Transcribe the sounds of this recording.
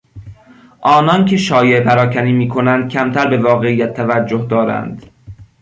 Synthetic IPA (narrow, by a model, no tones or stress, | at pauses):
ʔɒːnɒncʰe̞ʃɒːjepʰæɾɒːcʰæniːmiːkʰo̞nænd̪̥̚kʲʰæmt̪ʰæɾbe̞vɒːɣe̞ijæt̪ʰːævæd͡ʒːohd̪ɒːɾæ̰nd̪̥